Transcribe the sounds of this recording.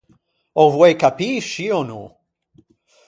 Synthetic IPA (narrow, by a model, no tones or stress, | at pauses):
ovwekapiʃionṵ